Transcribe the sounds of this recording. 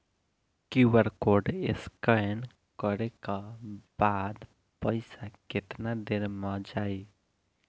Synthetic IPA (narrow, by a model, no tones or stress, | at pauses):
kuwəɾkoɾɖeskəjn | kəɾekabad̪ | pəɪsaket̪nad̪eɾmad͡ʒai